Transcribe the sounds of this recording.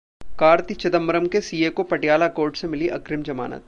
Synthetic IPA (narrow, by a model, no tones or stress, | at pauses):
kaːɾt̪it͡ʃɐd̪əmːɾəmkesiːekopɐʈjaːlakoːɾʈsemɪliʔɐkɾɪmd͡ʒɐma̰ːnə̰t̪̚